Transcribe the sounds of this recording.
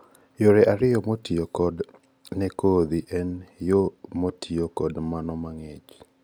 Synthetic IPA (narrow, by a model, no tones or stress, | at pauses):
joɾɛʔaɾɪjɔmotiokɔd | nɛkod̪iʔɛnjomotʰiokɔdmanɔmaŋɛt͡ʃ